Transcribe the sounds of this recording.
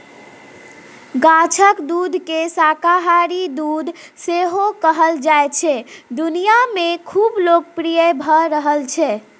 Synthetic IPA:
ɡat͡ʃʰəkd̪ud̪ʱkesakaɦaɾid̪ud̪ʱ | seɦokəɦəld͡ʒajt͡ʃʰɛd̪unijamekʰublok̚pɾijəbʱəɾəɦəlt͡ʃʰɛ

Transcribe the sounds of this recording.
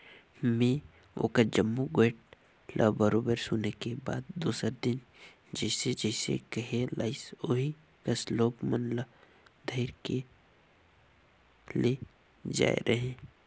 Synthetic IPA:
mẽː | o̰ːkad͡ʒəmːuɡeːʈ̚ | lʔa̰bəɾoːbəɾsʊnekeba̰ːd̪̚ːuːsəɾd̪ɪn | d͡ʒɛːsed͡ʒɛːsḛkəɦelʔaːɪsoɦi | kɐsloːɡmənlə | d̪ʱɐɪɾke | le | d͡ʒa̰ːḛɾʔɐɦẽː

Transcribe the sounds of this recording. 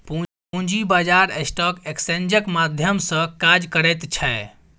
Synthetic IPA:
pu | ũd͡ʒibad͡ʒaɾesʈɔkeksend͡ʒəkmad̪ʱjəmsə̃kad͡ʒkəɾɛt̪t͡ʃʰɛ

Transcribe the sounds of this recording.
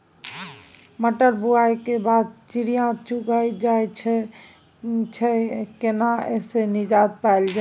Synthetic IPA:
məʈəɾbuajkebad̪̚t͡ʃiɾijãt͡ʃuɡajd͡ʒajt͡ʃʰɛ | t͡ʃʰɛkenaesenid͡ʒad̪̚pald͡ʒa

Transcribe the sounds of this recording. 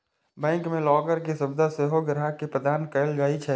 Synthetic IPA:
bɛ̃ːŋkmẽlɔːɡəɾkesʊbd̪ʱaseɦoɡɾɦakepɾəd̪aːnkəəld͡ʒaːit͡ʃʰɛ

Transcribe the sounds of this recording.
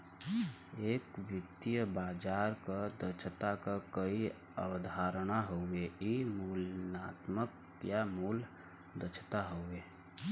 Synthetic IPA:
ekʋɪt̪ijəbad͡ʒaɾkəd̪ət͡ʃʰt̪akəkəi | ə̰wd̪ʱaɾənaɦoeimulnat̪mək | jamul | d̪ət͡ʃʰt̪aɦoe

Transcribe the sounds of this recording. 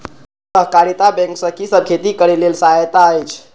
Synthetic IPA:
səɦkaɾit̪abɛ̃ŋksəkisəb̚kʰet̪ikəɾelelsaɦət̪aəjt͡ʃʰ

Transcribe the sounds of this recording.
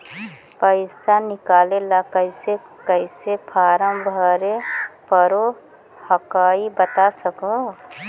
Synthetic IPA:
pəɪst̪anɪkaːlelakəɪsekəɪsepʰaːɾəmbʱəɾepəɾo | həkaːibət̪asəkõ

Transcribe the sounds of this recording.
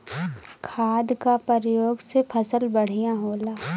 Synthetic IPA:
kʰaːd̪kapəɾjoːɡsepʰɐsəlbɐɽ̤ijãɦoːlaː

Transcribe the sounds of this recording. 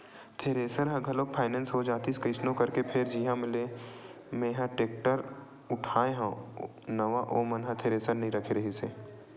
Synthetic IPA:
t̪ʰeːɾeːsəɾɦɐ̃ɡʱɐloːk̚pʰaːɪnɛ̃ːnsɦod͡ʒaːt̪iskəɪsnõkɐɾkepʰɪɾd͡ʒiːɦãmɪle | mẽːɦãʈeːk̚ʈəɾ | ʊʈʰaːẽɦã | nɐʋaʔoːmɐnɦãt̪ʰeːɾeːsəɾnɐɦĩɾɐkʰeɾɐɦiseː

